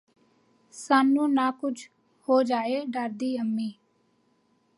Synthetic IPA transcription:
saːnũːnaːkʊd͡ʒ | hoːd͡ʒaːeːɖəɾd̪iːəmːiː

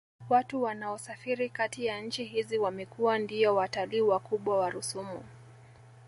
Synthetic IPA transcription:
watuwanaɔsafiɾikatijanɲ̩t͡ʃiɦiziwamɛkuwandiɔwataliːwakuɓwawaɾusumṵ

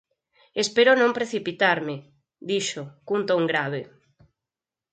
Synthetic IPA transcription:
espeɾʊnõmpɾeθipit̪aɾmɪ | d̪iʃokunt̪oŋɡɾaβ̞e

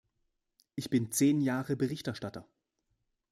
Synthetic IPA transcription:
ʔɪçb̥ɪnt͡seːnjaːʁəbəʁɪçtɛɐʃtatɐ

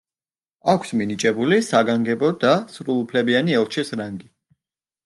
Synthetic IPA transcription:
akʰsminit͡ʃʼɛbulisaɡaŋɡɛbɔd̪asɾulˠupʰlɛbianiɛlˠt͡ʃʰisɾaŋɡi

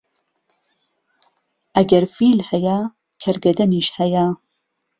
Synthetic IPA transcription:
ʔɐɡɐɾfiːlhɐja | kʰɐɾɡɐd̪ɐniːʃhɐja

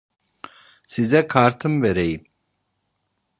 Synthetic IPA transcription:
sizɛkʰaːɾt̪ʰɨmvɛɾɛj

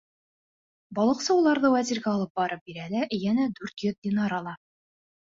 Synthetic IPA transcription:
bɒlˠɤqsɑwulˠɑɾðɤwæzʲiɾɡæɒlˠɤp̚bɒɾɤp̚biɾælæʔjænæd̪ʉɾt̪jɵðd̪ʲinɑɾɒlˠɑ

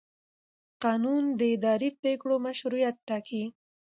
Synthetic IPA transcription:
qɑnund̪əɪd̪ɑɾipekɽomaʃɾujat̪̚ːɑkʰi

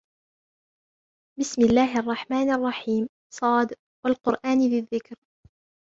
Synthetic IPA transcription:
bɪsmɪlːaːɦɪʔɑrˤːɑħmaːnʔɑrˤːɑħiːm | sˤɑːd̪ | walqʊɾʔaːnbɪðːɪkɾ

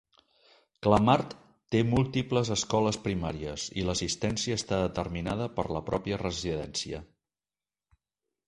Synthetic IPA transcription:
kləmaɾt̪ː | emulˠt̪ipləzəskɔləspɾimaɾiəzḭləsist̪ɛnsiəːst̪aðət̪ərminað̞əpə̰ɾləpɾɔpiərəziðɛnsiə̰

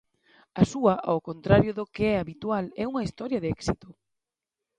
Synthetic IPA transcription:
ɐsuɐʔa̰wkont̪ɾaɾjʊðʊkeɛaβit̪ualɛuŋɐist̪ɔɾjɐðɛksit̪ʊ

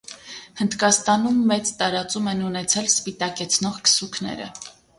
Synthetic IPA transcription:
hənd̪kɑst̪ɑnumːɛt͡st̪ɑɾɑt͡sumɛnunɛt͡sʰɛlspit̪ɑkɛt͡sʰnɔʁkə̥sukʰnɛ̰ɾə̰

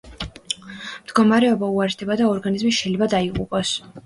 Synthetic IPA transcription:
md̪̥ɡɔmaɾɛɔbauaɾɛsd̪ɛbad̪aɔɾɡanizmiʃɛjlɛbad̪aiqʼṵpʼɔs

